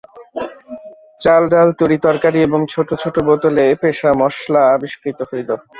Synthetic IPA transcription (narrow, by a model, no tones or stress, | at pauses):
t͡ɕalɖalt̪uɾit̪ɔɾkaɾieboŋt͡ɕʰoʈot͡ɕʰoʈobot̪olepeʃamɔʃlaabiʃkɾit̪oɦojlo